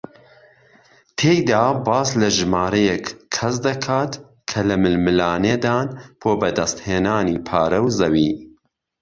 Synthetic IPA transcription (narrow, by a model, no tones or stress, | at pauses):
t̪ʰeːjd̪aːbaːslɐʒɨmaːɾɐjɛkkʰːɐsd̪ɐkʰaːt̪ | kʰɐlɐmɨlmɨlaːneːd̪aːnb̥ʰoːbɐd̪ɐst̪heːnaːniːpʰaːɾɐwzɐwiː